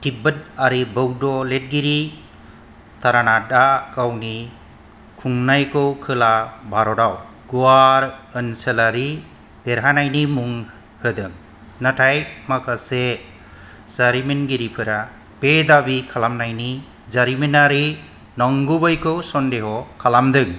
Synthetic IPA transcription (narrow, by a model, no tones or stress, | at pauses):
tʰibəd̚aɾibəwdɔlet̚ɡiɾi | t̪ʰaɾanadakawni | kʰuŋnajkɯwkʰɯlabʱaɾɔdaw | ɡ̥uaɾənselaɾi | d̪̥eɾɦanajnimuŋ | hɯd̪ɯŋ | natʰajmakase | z̥aɾiminɡiɾipʰɯɾa | b̥ed̪abikʰalamnajni | zaɾiminaɾi | nɔŋɡubɯjkʰɯwsɔndeɦɔkʰalamd̪ɯŋ